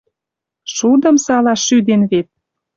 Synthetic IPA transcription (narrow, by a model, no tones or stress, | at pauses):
ʃud̪ə̆msɑlɑʃːyd̪enβet̪̚